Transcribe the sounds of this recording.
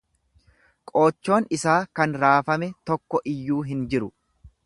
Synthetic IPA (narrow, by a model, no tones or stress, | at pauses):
kʼo̞ːt͡ʃːo̞ːnɪsaːkɐnɾaːfɐmɛt̪ɔkːɔʔɪjːuːɦɪnd͡ʒɪɾʊ